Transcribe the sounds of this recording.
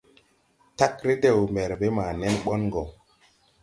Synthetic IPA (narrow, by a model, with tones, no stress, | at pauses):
ta˦kɾe˦de˨wmɛ˨ɾbe˦maː˨nɛ˦nɓɔ˦nɡɔ˨